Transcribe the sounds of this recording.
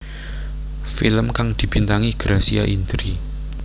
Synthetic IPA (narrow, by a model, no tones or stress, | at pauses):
filəmkaŋd̪̥i̤b̥int̪aŋiɡ̥ɾasia̰ʔind̪ɾi